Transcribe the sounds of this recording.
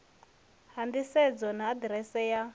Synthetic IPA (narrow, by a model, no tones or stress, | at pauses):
handisɛd͡zɔnaːdɾɛsɛja